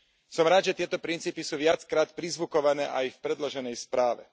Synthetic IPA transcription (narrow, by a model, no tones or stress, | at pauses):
sɔmɾaːd̪ʒɛt̪ɪɛt̪ɔpɾint͡siːpisuːʋɪat͡skɾaːt̪pɾizʋukɔʋanɛːʔajfpɾɛd̪lɔʒɛnɛjspɾaːʋɛ̰